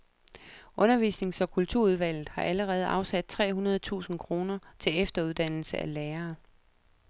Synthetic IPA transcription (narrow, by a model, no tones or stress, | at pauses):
ʔɔ̽nɐʋḭːsne̝ŋsɒ̽kʰult͡sʰuɐ̰uð̞ˠʋæl̰ð̩ˠhɑ̈ʔæləʁɛːð̞̩ˠʔɑ̈ʊsæd̥̚t͡sʰʁɛ̰ːɦunɐð̞̩ˠt͡sʰṵːsn̩kʰʁo̝ːnɐt͡sʰe̝lefd̥ɐuð̞ˠd̥æn̰l̩səæleːɐː